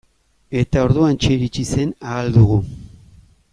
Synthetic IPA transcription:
e̞t̪ao̞ɾðuant͡ʃeiɾit͡ʃise̞naːld̪uɣu

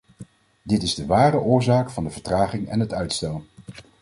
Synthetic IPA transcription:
dɪtɪzdəʋaːrəʔʊːɹzaːkfɑndəvəɹtraːχɪŋɛ̰nɦətœɥtstɛlˠ

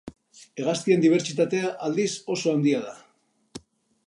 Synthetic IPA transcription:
e̞ɣ̞ast̪ie̞nd̪iβ̞e̞ɾt͡ʃit̪at̪e̞aʔald̪iso̞so̞and̪iað̞a

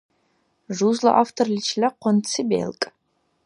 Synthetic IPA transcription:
ʐuːzlɐ̰ʔaːftʰorlʲit͡ʃʰlɐqʷɔnt͡sʰɨbḛːlkʼ

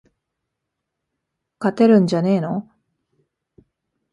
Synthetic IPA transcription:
kat̪e̞ɾɯ̟̃ɲ̟d͡ʑane̞ːno̞

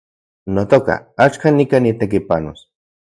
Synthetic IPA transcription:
not̪oka̰at͡ʃkanikanit̪ek̬ipano̰s

